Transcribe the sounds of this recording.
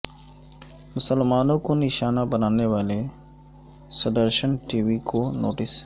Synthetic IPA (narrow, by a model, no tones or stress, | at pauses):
mʊsəlmaːnõkonɪʃaːnabənaːneʋaːle | sɐd̪əɾʃənʈiːʋikono̰ːʈɪs